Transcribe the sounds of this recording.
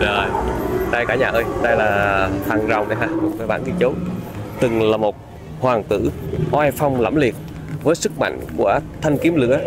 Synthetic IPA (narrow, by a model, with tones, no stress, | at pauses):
zə˨˩jɗa˧jkaː˧˩ɲaː˨˩ʔəː˧jɗa˧jlaː˨˩h̪aː˨˩ŋza˨˩wŋ͡mʔə˨˦jɦaː˧˩kt̚vəː˨˦jɓa̰ː˧˨nki˧t͡ɕo˨˦t̪ɨ˨˩ŋlaː˨˩mo˨˩t̚ | hwaː˨˩ŋt̪ɨ̰˧˥hwaː˧jfa˧wŋ͡mla̰˧˩mli˨˩ət̚ | vəː˨˦jsɨ˦˥k̚ma̰˧˨jŋ̟kṵ˧˩ət̪ʰa˧ŋki˨˦əmlɨ̰˧˥ə